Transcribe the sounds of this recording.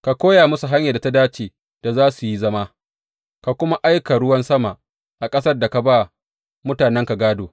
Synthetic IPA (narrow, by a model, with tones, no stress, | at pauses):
ka˨kʷoː˦ja˨mʊ˦su˨ɦa˦ɲjaː˨da˨ta˦daː˦t͡ʃeː˨ | d̥a˨zaː˦su˨ji˦zɐ˦ma˦ | ka˨kʷʊ˦ma˦ʔa˦jka˨ɽʊ˦wɐ˦nsɐ˦ma˨ʔ | ʔa˨kʼɐ˦sɐ˦rda˨ka˨ba˦ | mʊ˦taː˨nɛ˦ŋka˨ɡaː˦doː˨